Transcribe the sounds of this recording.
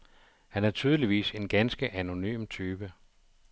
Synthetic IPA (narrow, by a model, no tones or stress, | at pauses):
hænæɐt͡sʰyːð̞ˠəliʋḭːse̝nɡ̥ænsɡ̥əʔæno̝ny̰ːmt͡sʰyːb̥ə